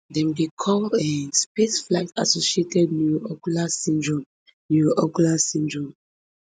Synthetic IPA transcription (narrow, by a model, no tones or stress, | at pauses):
dɛ̃mɡekʰɔlɛspesflaɪta̰sosietʰɛd̚njuɔkulasĩndɹɔ̃m | njuʔɔkulasĩndɹɔ̃m